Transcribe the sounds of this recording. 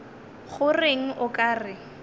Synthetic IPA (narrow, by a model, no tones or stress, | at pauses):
χʊrɪŋ̩ʔʊkʼaːrɪ